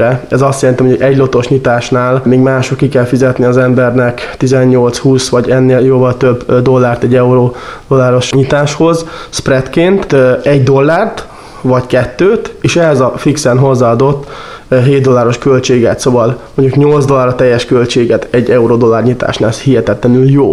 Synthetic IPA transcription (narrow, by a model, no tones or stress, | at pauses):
ɛɛzɒst̪jɛlɛnt̪imooɛɟlo̞t̪o̞ʃɲit̪aːʃnaːlmeːɡmaːʃokkːikɛlfizɛt̪niɒzɛmbɛrnɛkt̪izɛɲːo̞lt̪shuːsʋɒɟɛnːeːljoːvɒlt̪øbd̪o̞lːaːrt̪ɛɟːɛuɾod̪o̞lːaːɾo̞ʃɲit̪aːʃho̞zsprɛt̪keːnt̪ɛɟd̪o̞lːaːrt̪ | vɒckɛt̪ːøːt̪eːʃɛɦɛzɒfiksɛnɦo̞zːaːɒd̪o̞t̪ːɦeːd̪̚d̪o̞lːaːɾo̞ʃkølt͡ʃeːɡɛ̰t̪soːvɒlmmoɲɟukɲo̞lzd̪o̞lːaːɾɒt̪ɛjːɛʃkø̞lt͡ʃeːɡɛt̪ɛɟːɛuɾod̪o̞lːaːrɲit̪a̰ːʃnaːlɛshihɛt̪ɛt̪lɛnyljoː